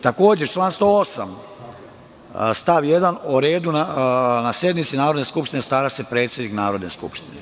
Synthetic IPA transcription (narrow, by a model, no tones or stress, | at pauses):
t̪ako̞ːd͡ʑet͡ʃlˠaːnst̪oosam | st̪aʋje̞d̪anoɾe̞ːd̪unanasje̞d̪mit̪sinaːɾod̪ne̞skupʃt̪inest̪aːɾasepɾe̞ːt̪sʲed̪niknaːɾo̞d̪neskṵpʃt̪ine